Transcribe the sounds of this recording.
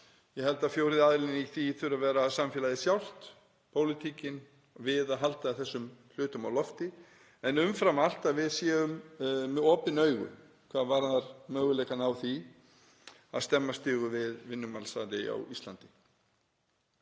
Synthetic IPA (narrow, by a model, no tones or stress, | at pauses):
jɛɦɛlt̪afjowɾɪðaðlɪnniθiθʏɾavɛːɾaːsamfjɛːlajðɪsjawl̥t̪ | pʰowlɪt̪ʰiːcɪn | vɪðaðɦalt̪aθɛsːʏml̥ʏːt̪ʏmawlɔft̪ɪ | ɛnʏmfɾamal̥t̪aðvɪðsjɛːɣʏmːɛɔːpɪnœːɥɣʏ̰ | kʰvaːðvaɾðaɾmœːɣʏlɛːkanawθi | a̰ðst̪ɛmːast̪ʏːɣʏvɪðvɪnːʏmalsaðɾɪa̰wist̪lant̪ɪ̥